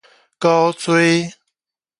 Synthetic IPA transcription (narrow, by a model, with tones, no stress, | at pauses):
kɑ˦˥ʊt͡swe˦˥ɪ